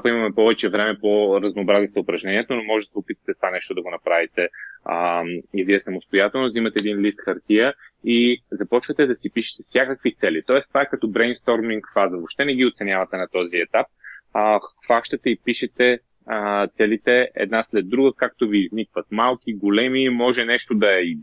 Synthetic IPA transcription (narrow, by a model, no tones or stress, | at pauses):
apɐimɐmɛpɔvɛt͡ʃɛvɾɛmɛpoɾɐznoːbɾazisɐʊpɾɐʒnɛniɛt̪onomɔʒɛd̪ɐsɛopit̪və̥t̪ɛt̪vanɛʃt̪od̪ɐɡonɐpɾavit̪ɛ | iviɛsɐmost̪ojat̪ɛlˠnozimɐt̪ɛːd̪inlist̪xɐɾt̪iəizɐpɔt͡ʃvɐt̪ɛd̪ɐsipiʃɛ̥t̪ɛfsʲjakəkvit̪sɛlit̪ɔɛst̪vaɛkɐt̪ɔbɾɛjnst̪ɔɾmiŋkfazəvopʃt̪ɛnɛɡʲiot̪sɛnʲjavɐt̪ɛnɐt̪ɔziɛt̪ap̚ | faʃt̪ɐt̪ɛipiʃɛt̪ɛ | t̪sɛlit̪ɛɛ̰d̪naslɛd̪ːɾuɡəkak̚t̪oviːznikvɐt̪̚malˠkʲiɡolɛmimɔʒɛnɛʃt̪od̪ɐɛi